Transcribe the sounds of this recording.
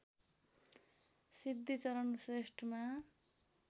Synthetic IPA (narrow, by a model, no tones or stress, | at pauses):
sid̪ʱːit͡sʌɾʌnsresʈʰʌma